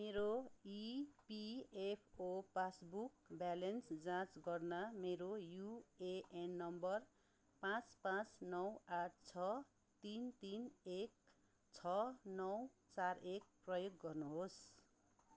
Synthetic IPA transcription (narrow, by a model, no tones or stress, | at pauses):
meɾoipiepʰopasbukbalensd͡zãt͡sɡʌrnʌmeɾojueʔenːʌmbʌr | pãt͡spãt͡snʌwaʈ̚ʰt͡sʰʌ | t̪int̪inek̚ | t͡sʰʌnʌw | t͡sarek̚prʌjoɡːʌrnuɦos